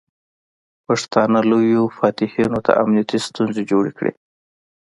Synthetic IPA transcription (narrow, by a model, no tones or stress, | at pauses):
paʂt̪ɑnalojofɑt̪ɪhinot̪ʰa̰ʔamnijat̪ist̪unzed͡ʒoɽekɽḛ